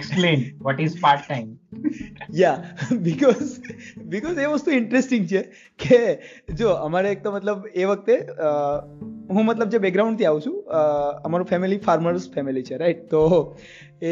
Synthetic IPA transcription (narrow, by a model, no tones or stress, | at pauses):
ksplẽnʋɔʈizpaɾʈːaɪm | jabɪkɔzbɪkɔzeʋəst̪uɪɳʈɾesʈɪ̃ŋɡt͡ʃʰe | ke | d͡ʒoəmaɾeek̚t̪omət̪ləbeʋək̚t̪eə | ɦũmət̪ləb̚d͡ʒebɛk̚ɡɾawũɳɖt̪iaʋũt͡ʃʰũəmaɾũfɛmilifaɾməɾsfɛmilit͡ʃʰeɾaiʈ̚t̪o | e